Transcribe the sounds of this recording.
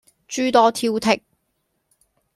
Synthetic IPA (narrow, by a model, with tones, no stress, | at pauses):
t͡ʃyː˥t̪ɔː˥t̪ʰiː˧wt̪ʰɪ˨k̚